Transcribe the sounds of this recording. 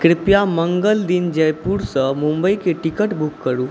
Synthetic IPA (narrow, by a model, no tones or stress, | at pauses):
kɾɪpjaməŋɡəld̪iːnd͡ʑəjpuɾsəmũmbəikeʈikəʈbʱukːəɾuː